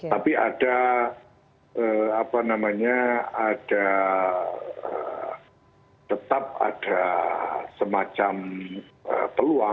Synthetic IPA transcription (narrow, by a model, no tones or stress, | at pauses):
t̪apia̰da | ʔəapanamaɲaad̥a | ə | t̪ət̪ap̚a̰d̥a | səmat͡ʃam | ə̰pəlua